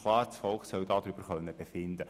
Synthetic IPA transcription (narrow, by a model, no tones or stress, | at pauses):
kʰlˠɑːɾsfɔlksœwd̥̪ɑːd̥̪ɾyb̥əɾχœnːəb̥efɪnd̪ə